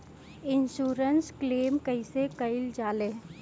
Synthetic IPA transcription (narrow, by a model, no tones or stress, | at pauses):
ɪnʃuːɾənskleːmkəɪsekɐɪld͡ʒaːleː